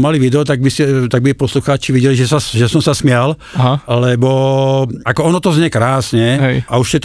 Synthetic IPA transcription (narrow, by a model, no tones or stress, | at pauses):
maliʋid̪ɛɔt̪aɡ̚biscɛt̪aɡ̚bipɔsluxaːt͡ʃiʋiɟɛliʒɛsaʒɛsɔmsasmɪalɦalɛbɔ | akɔɔnɔt̪ɔzɲɛkɾaːsɲɛɦauʃcɛt̪